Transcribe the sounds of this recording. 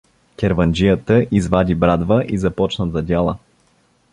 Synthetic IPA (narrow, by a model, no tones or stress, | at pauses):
kʲɛɾvɐnd͡ʒijət̪əʔizvad̪ʲibɾad̪vəʔizɐpɔt͡ʃnəzɐdʲalˠə